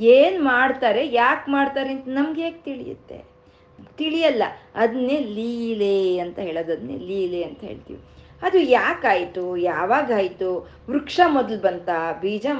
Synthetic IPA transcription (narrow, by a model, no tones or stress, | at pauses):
eːnmaːɽt̪aːɾe̞jaːkmaːɽt̪aːɾeint̪ɐnɐmɡeːɡ̚t̪iɭḭjṵt̪ːe̞̰ | t̪iɭijɐlːɐ̰ɐd̪ɐnːeːliːleɐnt̪ɐɦe̞ːɭoːd̪ɐd̪nḛːliːleɐnt̪ɐɦḛːɭt̪ḭʋi | ɐd̪ujaːkaːjt̪ujaːʋaːɡaːjt̪u | ʋɾukʂamɔd̪ɐlbɐnt̪abiːd͡ʒa